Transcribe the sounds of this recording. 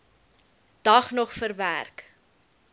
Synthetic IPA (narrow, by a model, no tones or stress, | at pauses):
d̥ɐχnɔχfərvæ̰rk